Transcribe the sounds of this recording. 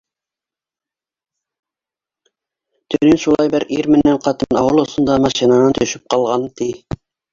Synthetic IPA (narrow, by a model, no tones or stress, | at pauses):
t̪ɵnɘnʃulˠɑjbɘɾiɾmɘ̆nːæɴqɑt̪ɤnɑ̰wɤlˠŏsŏnd̪ɑmɑʃinɑnɑnt̪ɵ̆ʃɘp̚qɑlˠʁɑnt̪i